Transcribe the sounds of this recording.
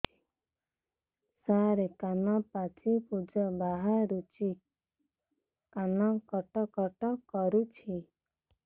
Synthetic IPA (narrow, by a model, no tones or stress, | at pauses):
saɾekanapat͡ʃipud͡ʒɔbaɦaɾut͡ʃi | kanakɔʈɔkɔʈɔkɔɾut͡ʃʰi